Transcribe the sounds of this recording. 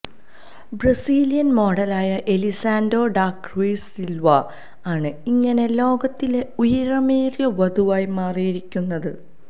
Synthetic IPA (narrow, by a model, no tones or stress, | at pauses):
brɐsiːlijɐnmo̞ːɽɐlaːjɐʔelisaːndo̞ːɖaːkriːsilʋɐ | aːɳɨiŋːɐne̞lo̞ːɡɐt̪ːile̞ujɐɾɐmeːrjɐʋɐd̪uʋaːjmaːrijiɾikʲːunːɐðɨ